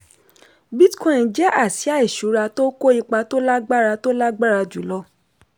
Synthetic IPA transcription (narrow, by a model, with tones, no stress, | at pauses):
bi˦tkɔ̃˦˨d͡ʒɛ˦ʔa˦˨ti˨˦a˦˨i˦˨ʃu˨˦ɾa˧to˦ko˦i˦˧k͡pa˧to˦la˦ɡ͡ba˦ɾa˧to˦la˦ɡ͡ba˦ɾa˧d͡ʒu˨lɔ˦